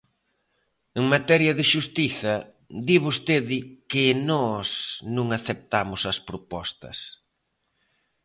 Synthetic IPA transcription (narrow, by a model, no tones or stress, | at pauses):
eŋmat̪ɛɾjɐðɪʃust̪iθɐ | d̪iβost̪eðɪkɪnɔsnũŋaθep̚t̪amʊsɐspɾopɔst̪ɐ̰s